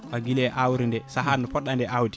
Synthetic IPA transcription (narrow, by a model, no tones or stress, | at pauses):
ʔaɡilɛʔawɾindɛsaɦanɔpɔɗːandɛʔawdi